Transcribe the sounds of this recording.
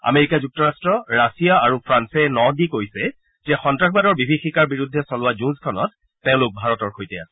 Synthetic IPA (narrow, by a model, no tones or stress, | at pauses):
a̰meɹikad͡ʒuk̚tɔɹastɹɔɹasiaaɹupʰɹansɛnɔdikojsɛ | zɛxɔntɹaxʰbadɔɹbibʱixikaɹbiɹudʱːɛsɔlʊwad͡ʒũnzkʰɔnɔ̰tː | ɛ̃ʊ̃lʊk̚bʱaɹɔtɔɹxojtɛa̰sɛ